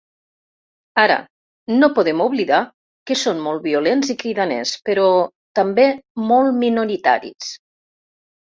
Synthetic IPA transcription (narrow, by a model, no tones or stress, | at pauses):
aɾə̰ | nopuðemuβliða | kəsonmolˠβiulenzikɾiðanḛspəɾɔ | t̪ambemɔlˠminuɾit̪a̰ɾḭs